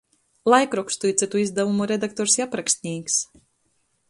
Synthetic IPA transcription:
lˠajkɾɔkst̪ujt̪sʲɛt̪uizd̪avumuɾed̪ak̚t̪ɔɾsjapɾaksʲt̪ʲnʲiːks

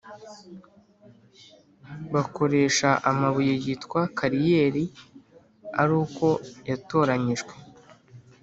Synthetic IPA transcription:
βako̞ɾe̞ːʃaʔamaβujejitkwakaɾijeɾi | aɾuːko̞jato̞ːɾaɲiʒɡwe̞

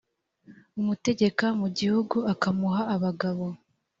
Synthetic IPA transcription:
umute̞ɟe̞kamuɟihuɡuakamuɦaːβaɡaβo̞

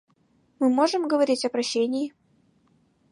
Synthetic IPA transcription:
mɨmoʐɨmɡəvɐɾʲitʲɐpɾɐɕːenʲɪjɪ

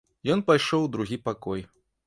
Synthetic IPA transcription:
jɔnpajʂɔwd̪ɾuɣʲipakɔj

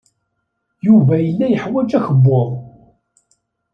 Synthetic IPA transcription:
juvæjəlːæjəħwæd͡ʒæçəbːʊðˤ

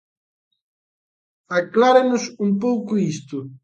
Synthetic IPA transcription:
aklaɾenʊsumpowkʊist̪ʊ

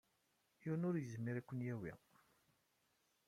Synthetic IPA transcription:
iwnʊɾjəzmiɾækʷːənjæwḭ

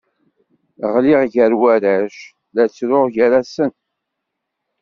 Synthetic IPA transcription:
ʁlɪʁʝæɾwæɾæʃ | læt͡sːɾʊʁʝæɾæsən

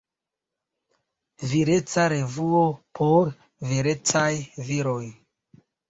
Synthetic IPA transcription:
viɾe̞t͡saɾe̞vuopʰoɾ | veɾe̞t͡sajviɾo̞j

